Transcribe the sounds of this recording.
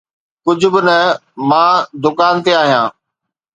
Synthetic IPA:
kʊd͡ʑʱʊ̆bɪnəmãːd̪ʊkaːnt̪eaːɦijãː

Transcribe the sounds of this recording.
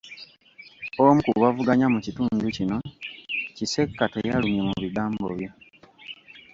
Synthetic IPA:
omukuwavuɡaɲamucituːnducino̞ | cise̞kːatejalumje̞muβiɡaːmbo̰βjo̞

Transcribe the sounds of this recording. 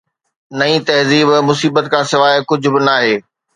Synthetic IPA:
nɐĩt̪ɐɦziːbmʊsiːbət̪kʰãːsɪʋaːɪkʊd͡ʑʱʊ̆bɪnaːɦeː

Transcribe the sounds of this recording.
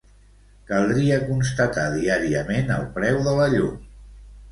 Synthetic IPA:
kəlˠd̪ɾiəkunst̪ət̪aðiaɾiəmenə̰lˠpɾɛwðələʎum

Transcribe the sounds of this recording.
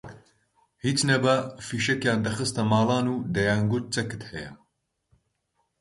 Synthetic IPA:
hiːt͡ʃnɐbɐfiːʃɐkjaːnd̪ɐxɨst̪ɐmaːlˠɑːnud̪ɐjaːŋɡut̪̚t͡sɐkɨ̥t̪hɐjɐ̰

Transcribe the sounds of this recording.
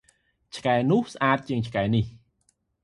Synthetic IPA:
t͡ɕʰkaɛnʊ̆əhsʔaːt̪̚t͡ɕiəŋt͡ɕʰkaɛnih

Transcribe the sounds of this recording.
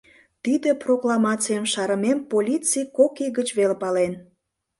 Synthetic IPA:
t̪id̪eproklˠɑmɑt͡sijəmʃɑɾəmempolʲit͡sijkokiɣət͡ɕβelpɑlen

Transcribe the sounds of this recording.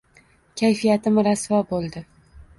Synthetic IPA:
kʲʰajfijat̪ʰɪmɪɾasvabolˠd̪ɪ

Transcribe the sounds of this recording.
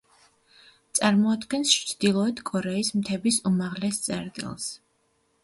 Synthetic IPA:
t̪sʼaɾmɔad̪ɡɛnst͡ʃt͡ʃʰd̪̥ilˠɔɛd̪ʰkʼɔɾɛismt̪ʰɛbisumaʁlɛst̪sʼɛ̰ɾt̪ʼḭlˠs

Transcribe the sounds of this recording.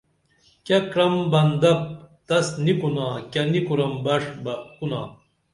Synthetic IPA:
kɐkɾɐmbɐnd̪ɐp̚t̪ɐsnikunaːkʲɐnikuɾɐmbɐʂbɐkuna̰ː

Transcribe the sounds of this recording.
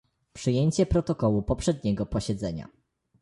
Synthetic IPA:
pʂɘjeɲt͡ɕɛpɾɔt̪ɔkɔwupɔpʂɛd̪̚ɲɛɡɔpɔɕɛd̪zɛɲa̰

